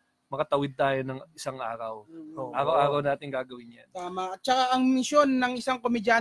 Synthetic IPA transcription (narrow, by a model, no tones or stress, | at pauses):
mɐkɐt̪ɐwɪd̪̚t̪aːjonɐŋɪsaŋʔaːɾɐwʔaːɾɐwʔaːɾɐwnaːt̪ɪŋɡaːɡɐwɪnja̰nt̪aːmɐʔɐt̪̚t͡ʃɐkaʔɐŋmɪʃjo̞nːɐŋɪsaŋkomɪdja